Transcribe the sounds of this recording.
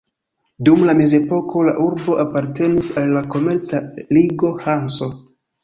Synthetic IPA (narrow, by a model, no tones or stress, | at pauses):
dumlame̞zepo̞kʰo̞la̰ʔuɾbo̞ʔapaɾte̞nisalːako̞me̞ɾt͡saliɡo̞hanso̞